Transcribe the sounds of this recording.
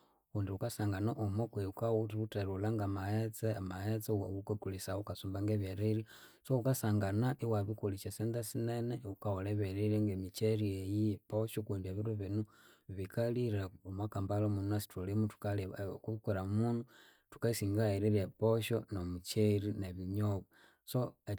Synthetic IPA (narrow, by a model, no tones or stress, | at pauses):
undiukasaŋɡanaʔumokweukautuuteɾulaŋɡamaet͡semahet͡saukakulisaokasumbaŋɡeβjeɾeɾi | soukasaŋɡanaʔiwaβikuliʃasendasineneukaholeβeɾiɾiŋɡemit͡ʃeɾiejipoʃokundieβiɾuβinu | βikʰaliɾaomwakambalomunuasi̥tolimutu̥kalkuβikeɾaumunu | tu̥kaisiːŋɡaeɾeɾepoʃonomut͡ʃeɾineβiɲoβa | so